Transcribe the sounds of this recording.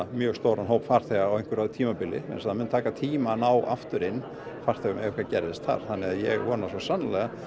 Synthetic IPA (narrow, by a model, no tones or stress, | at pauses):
mjœːɣst̪owɾanɦowpfar̥t̪ʰɛɣaːwejn̥kvʏɾaðt̪ʰiːmapɪlɪ̰mɛ̰nsaðamɛnt̪ʰaːkat̪ʰiːmanawʔa̰ft̪ʏɾɪnː | far̥t̪ʰɛːɣʏmɛʏkʰvacɛɾðɪst̪θa̰ɾ̥θanːɪaðjɛ̰ɣvɔnasɔsanːalɛɣa